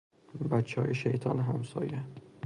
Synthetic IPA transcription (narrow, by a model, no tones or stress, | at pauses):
bæt̪t͡ʃʰːɒ̰ːjeʃejt̪ʰɒnɦæmsɒ̰ːjæ